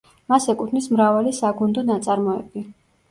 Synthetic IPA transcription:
masɛkʼut̪ʰnmismɾavalisaɡund̪ɔnat̪sʼaɾmɔɛbi

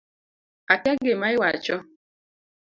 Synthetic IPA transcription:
ataɡemaiwat͡ʃɔ

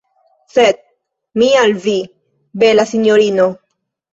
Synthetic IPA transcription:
sed̪̚ | mialvi | belasinjoɾino

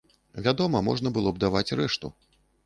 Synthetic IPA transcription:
vʲad̪ɔmɐmɔ̰ʐnɐbɨlˠɔb̚d̪avat͡sʲrɛʂt̪ṵ

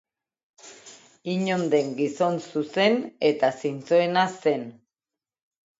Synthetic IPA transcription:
iɲo̞nd̪e̞ŋɡiso̞nsuse̞ne̞t̪asint͡soenase̞n

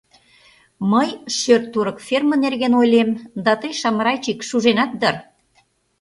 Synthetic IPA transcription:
məjʃørt̪ːuɾəkfʲermə̆nerɣenojlemd̪ɑt̪əjʃɑmɾɑjt͡ɕikʃuʒenɑt̪̚d̪ər

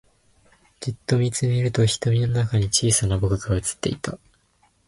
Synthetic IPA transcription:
d͡ʑɨt̪ːo̞mʲit͡sɨmʲiɾɯ̟t̪o̞çi̥t̪o̞mʲino̞nakaɲ̟it͡ɕiːsanabo̞kɯ̟ɡaɯ̟t͡sɨ̥t̪ːe̞̰it̪a

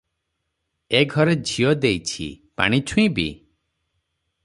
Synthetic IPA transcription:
eɡʱɔɾed͡ʒʱiod̪ejt͡ʃʰḭpa̰ɽ̃it͡ʃʰũj̃bḭ

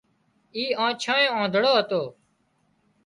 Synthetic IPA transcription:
iːãːt͡ʃʰãːjõːãːd̪ʱəɽoːɦət̪oː

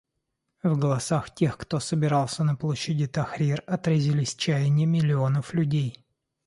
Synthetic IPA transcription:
vɡəlˠɐsaxtʲe̞xkt̪o̞səbʲɪɾɑlˠsʲənəplˠoɕːɪdʲɪt̪ɐxɾʲirɐt̪ɾəzʲɪlʲɪsʲt͡ɕæjɪnʲɪmʲɪlʲɪonəflʲʉdʲej

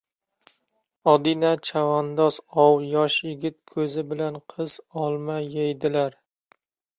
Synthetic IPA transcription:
ɒd̪ɪnat͡ʃʰavɒnd̪ɒsɒwjɒʃjɪɡʲɪt̪̚kʰɵzɪbɪlanqʰɨz̥ɒlˠmajajd̪ɪlaɾ

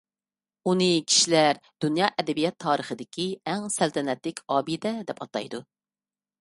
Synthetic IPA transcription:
unɨkʲʰi̥ʃilæɾd̪̥unjɑːʔɛd̪ɛbijɛt̪ʰːɑːɾəχəd̪ɪkʲʰiɛŋsælt̪ʰɛnɛt̪lɪkʲɑːbid̪ɛd̪ɛpɑt̪ɑ̰jd̪u

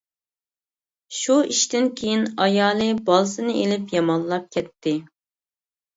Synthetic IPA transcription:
ʃuiʃt̪ɪnkʲʰejinɑjɑːlˠɨbɑlˠsɨnɨʔelɪpjɑmɑnˠlːˠɑp̚kʲʰɛt̪ʰːɪ

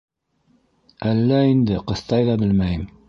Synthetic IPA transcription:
ælːæind̪ɘqɤ̆θt̪ɑjðɑbɘlmæjɘm

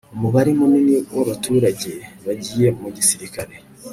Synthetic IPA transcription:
umuβaɾimuniniwaβatʰuːɾaɟeβaɟiːje̞muɟisiɾikaɾe

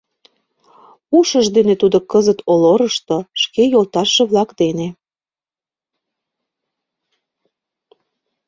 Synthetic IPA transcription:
uʃəʒd̪enet̪ud̪okəzət̪ʰoloɾəʃt̪oʃkejolt̪ɑʃːĕβlɑkd̪ene

